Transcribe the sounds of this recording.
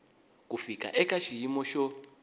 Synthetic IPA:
k̬ʼufikʼa̰ʔɛkʼaʃijimɔʃɔ

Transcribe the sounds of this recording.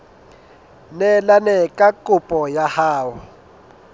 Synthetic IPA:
nɛlanɛkʼakʼupʼɔjahaːwɔ

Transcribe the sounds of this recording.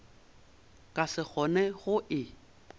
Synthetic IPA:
kʼasɪk͡xʰɔnɛɣʊʔɪ

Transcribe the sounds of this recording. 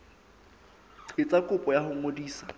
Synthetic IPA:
ǀʰɪt͡sʼakʼʊpʼɔjahʊŋodiːsḁ

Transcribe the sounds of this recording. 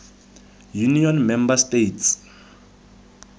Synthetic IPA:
juniɔnmɛmbastejts

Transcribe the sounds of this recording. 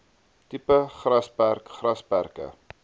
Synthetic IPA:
tipəχrɐspærkχrɐspærkə̰

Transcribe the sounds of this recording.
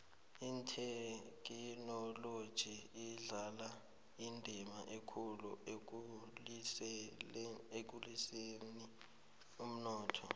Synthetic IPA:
intʰɛk̬ʼinɔlod̥ʒ̥ʱiːɮala | indʱimaʔekʰulṵ | ek̬uliseni | um̩nɔːtʰɔ̰

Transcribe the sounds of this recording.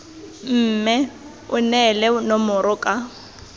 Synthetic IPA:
m̩ːmɛ | ʊnɛlɛnɔmʊɾʊkʼa

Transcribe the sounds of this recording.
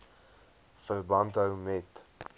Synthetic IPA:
fərbɐntɦəwmɛt

